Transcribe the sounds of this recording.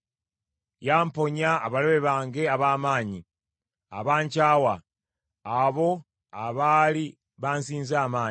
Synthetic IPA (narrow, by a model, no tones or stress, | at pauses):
jaːmpo̞ɲaːβaloβe̞βaːŋɡe̞aβaːmaːɲi | a̰βaːɲcaːwaː | βo̞ | aβali | βaːnsiːnzaːmaː